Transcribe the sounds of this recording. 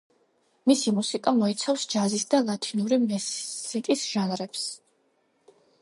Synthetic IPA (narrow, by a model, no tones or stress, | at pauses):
misimusikʼamɔit̪sʰafsd͡ʒazisd̪alˠat̪ʰinuɾimɛikʼisʒ̥anɾɛps